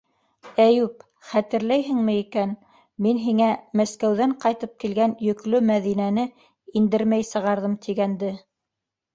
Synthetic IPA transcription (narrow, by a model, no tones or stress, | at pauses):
æjʉp̚ | χæt̪ɘ̆ɾlæjɦɘ̆ŋmɘ̆ikæn | minɦiŋæmæskæwðæɴqɑjt̪ɤp̚kilɡænjɵ̆klɵmæðinænɘ | ind̪ɘɾmæjsɤ̆ʁɑɾðɤmt̪ʰiɡænd̪ɘ